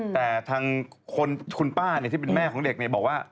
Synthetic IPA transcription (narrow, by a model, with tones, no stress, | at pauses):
t̪ɛː˨˩t̪ʰaː˧ŋ | kʰo˧nkʰu˧npaː˥˩ni˥˩t̪ʰiː˥˩pe˧nmɛː˥˩kʰɔː˩˦ŋde˨˩k̚ni˧˩ɐbɔː˨˩k̚waː˥˩